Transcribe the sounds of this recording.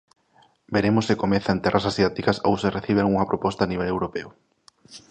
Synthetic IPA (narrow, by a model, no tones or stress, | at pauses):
beɾemʊsekomeθant̪ɛrʔasasjat̪ikɐso̰wsereθiβ̞eaŋuŋɐpɾʔopɔst̪aːniβ̞ɛlewɾopeʊ